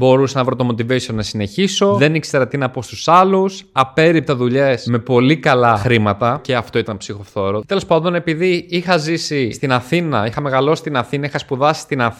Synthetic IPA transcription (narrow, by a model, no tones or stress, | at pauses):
bo̞ɾusɐnɐvɾot̪o̞mo̞t̪ivesionɐsine̞çiso̞ðe̞nikst̪ɾɐt̪inɐpost̪usɐlusɐpe̞ɾip̚t̪ɐðuʎe̞sme̞po̞likɐlɐxɾimɐt̪ɐce̞ɐft̪o̞it̪ɐnpsixo̞θo̞ɾot̪e̞lo̞spɐnðo̞ne̞piðiixɐzisist̪inɐθinɐ̰ixɐme̞ɣɐlo̞si̥t̪inɐθinɐixɐspuðɐsi̥st̪inɐ